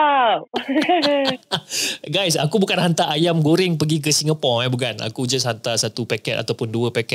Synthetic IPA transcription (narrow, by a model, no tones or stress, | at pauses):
a | ɡajsakubukanhant̪aʔajamɡoɾɪŋpəɡik̬əsiŋəpɔɛbuk̬ana̰kud͡ʒashant̪asat̪upakɛt̪a̰t̪awpʊnduəpakɛ